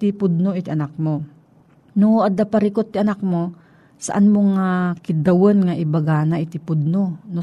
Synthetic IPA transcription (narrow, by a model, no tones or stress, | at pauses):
t̪ipʊd̪̚noʔit̪iʔɐnak̚mo | noad̪apɐɾikot̪ːɪʔɐnak̚mo | sa̰ʔanmoŋakɪd̪ɐwənŋaʔɪbɐɡaːnaʔɪt̪ɪpʊd̪̚nono